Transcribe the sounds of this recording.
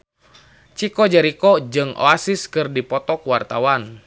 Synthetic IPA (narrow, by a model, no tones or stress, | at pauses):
t͡ʃikɔd͡ʒəɾikɔd͡ʒɨŋʔɔ̰asiskɨrdipɔt̪ɔkuwart̪awan